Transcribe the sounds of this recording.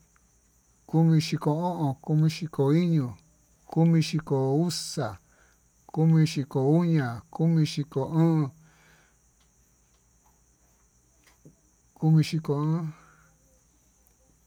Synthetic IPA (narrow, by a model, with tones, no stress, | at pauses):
ku˦mĩ˧ʃi˧ko˧õ˦ʔõ˨ku˧mĩ˧ʃi˧ko˨i˦ɲũ˨ | ku˦mĩ˧ʃi˧ko˨u˦sa˨ | ku˦mĩ˧ʃi˧ko˨u˦ɲã˨ku˦mĩ˧ʃi˧ko˨ɨ̃ː˦˧ | ku˧mĩ˧ʃi˧ko˧˨ɨ̃˦